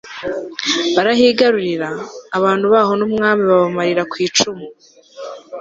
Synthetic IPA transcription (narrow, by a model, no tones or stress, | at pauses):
βaɾaɦiːɡaɾuɾiɾaːβaːnhduβaːɦo̞numŋaːmiβaβamaɾiɾakwiːt͡ʃumu